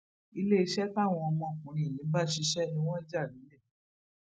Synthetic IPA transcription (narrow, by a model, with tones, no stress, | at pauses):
i˧le˦i˧ʃɛ˦fa˦˨w̃ɔ̃˧ɔ˧mɔ̃˧˨kũ˨˦ɾ̃ĩ˧˨nĩ˨˦ba˦ʃi˧ʃɛ˦nĩ˦w̃ɔ̃˦d͡ʒa˦˨nĩ˨˦lɛ˦˨